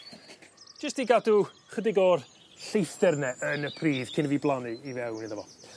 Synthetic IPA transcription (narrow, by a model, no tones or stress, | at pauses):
d͡ʒ̥əstiɡadu | χədɪɡɔr | ɬejθɛrnɛʔənəpʰriːðkʰɪnviːblˠanɨivɛwnɪðavɔ